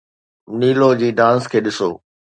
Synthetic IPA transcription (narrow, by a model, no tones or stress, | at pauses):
niːlod͡ʑiːɖãːnskʰeːɗɪsoː